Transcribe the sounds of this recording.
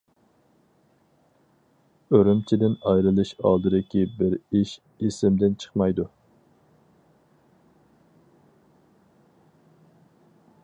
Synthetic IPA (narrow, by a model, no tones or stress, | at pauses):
øɾymt͡ʃʰid̪ɪnɑjɾɨlˠɨʃɑ̰lˠd̪ɨɾɪkʲibɪɾiʃ | isɪmd̪ɪnt͡ʃʰə̥χmɑjd̪u